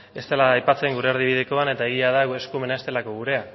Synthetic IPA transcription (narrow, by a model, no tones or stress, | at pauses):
e̞st̪elaːjpat͡se̞ŋɡuɾeaɾðiβ̞iðe̞ko̞ane̞t̪aeɣ̞iaðae̞skume̞naest̪e̞lako̞ɣ̞uɾe̞a